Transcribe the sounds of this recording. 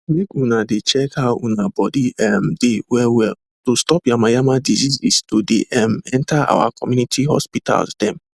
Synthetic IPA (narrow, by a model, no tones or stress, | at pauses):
lekunadɪt͡ʃɛkaṵnabɔdiɛm̩dɪwɛwɛ | tʊstɔpjamajamadizizistodɪ̰ʔɛm̩ɛn̩taa̰wa̰kɔmjunitiɦɔ̰spita̰lsdɛm̩